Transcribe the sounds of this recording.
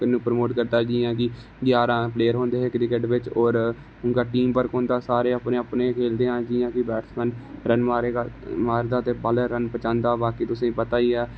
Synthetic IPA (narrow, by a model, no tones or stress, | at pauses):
kənːũːpəɾmoːʈkəɾd̪aːd͡ʒiːãːk̬ɪ | ɡɪjaːɾãːpleːəɾɦoːnd̪eːɦeːkɾɪkeʈʋɪt͡ʃɔːɾ | ʊŋɡaːʈiːmpəɾkõːnd̪aːsaːɾeːapneːapneːkʰeːld̪eːãːd͡ʒiːãːkɪbɛːʈsmənɾənmaːɾeːamaːɾd̪aːt̪eːbaləɾənpət͡ʃãːnd̪aːbaːkiːt̪ʊsẽːpət̪aːiːɦɛː